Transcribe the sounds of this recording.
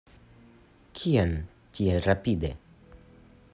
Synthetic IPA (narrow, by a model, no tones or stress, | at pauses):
kʰian | t͡ɕirapid̪e